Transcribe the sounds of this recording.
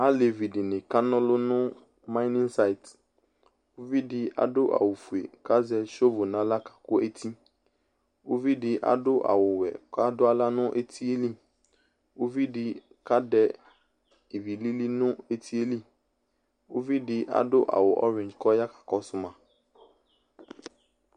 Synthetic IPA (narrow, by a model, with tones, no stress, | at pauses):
a˦le˨vi˨dɪ˨nɪ̃˨ka˦nɔ̃˦lʊ˦nʊ̃˦ | mã˦ɪ˦nĩ˦nsa˦i˨t | wʊ˦vi˦dɪ˦a̰˨dʊ˦ʔa̰˨wʊ˨fu˨e˨ka˦zɛ˦ʃo˦vo˨nã˨˦la˦kḁ˨kʊ˦e˦ti˦ | wo˦vi˦dɪ˨ʔa̰˨dʊ˦ʔa̰˨wʊ˨wɛ̰˨ka˦dʊ˦a˦la˦nʊ̃˦ʔe˦tʰi˦e˦li˦ | wo˦vi˦ɖɪ˦ | ka˦dɛ˦ | e˨vi˨li˦li˦nʊ̃˦e˦t̪ʰi˦e˦li˦ | wo˦vi˦ɖɪ˨ʔa̰˨ɖʊ˦ʔa̰˨wʊ˨ʔɔ̰˦ɾẽ˨nd͡ʒkɔ˦ja˦kḁ˨kɔ˦sʊ˦mã˨